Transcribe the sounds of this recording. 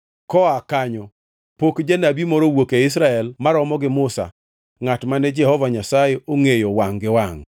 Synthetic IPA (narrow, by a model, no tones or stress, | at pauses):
kɔakaɲɔ | pokd͡ʒanabimɔɾowokeɪs̬ɾaɛlmaɾɔmɔɡɪmʊsa̰ | ŋatmanɛd͡ʒɛhɔvaɲasajeoŋejowaŋɡɪwaŋ